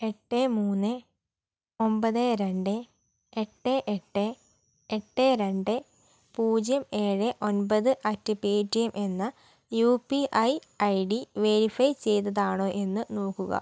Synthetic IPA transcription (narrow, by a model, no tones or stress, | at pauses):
eʈːemuːnːɨ | o̞mbɐðeɾeɳɖɨ | eʈːeʔeʈːe | eʈːeɾeɳɖɨ | puːd͡ʑjɐme̞ːɻɨʔo̞nbɐðɨʔɐtːɨpeːdijɐmʔe̞nːɐ | juːpiʔɐj | ɐjɖiʋe̞ɾifɐjt͡ɕe̞jt̪ːɐðaːɳoːʔe̞nːɨno̞ːkːuɣɐ̰